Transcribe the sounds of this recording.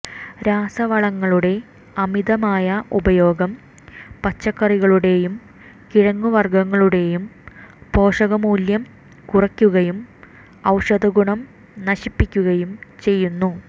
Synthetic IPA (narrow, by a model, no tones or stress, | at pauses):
ɾaːsɐʋɐɭɐŋːɐɭuɽe̞ | ɐmid̪ɐmaːjɐʔubɐjo̞ːɡɐm | pɐt͡ɕːɐkːɐriɣɐɭuɽe̞jum | kiɻɐŋːuʋɐrɡɐŋːɐɭuɽe̞jumpo̞ːʂɐɣɐmuːljɐm | kurɐkʲːuɣɐjum | ɐwʂɐd̪ɐɡuɳɐm | nɐɕipːikʲːuɣɐjumt͡ɕe̞jːunːu